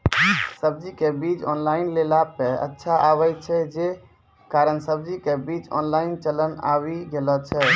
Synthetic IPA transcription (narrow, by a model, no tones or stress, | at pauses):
səb̚d͡ʒikebit͡ʃɔnlaɪnlelapeə̰tːʃʰaʔawət͡ʃʰɛd͡ʒe | kaɾənsəb̚d͡ʒikebit͡ʃɔ̰nlaɪnt͡ʃələna̰wiɡelət͡ʃʰɛ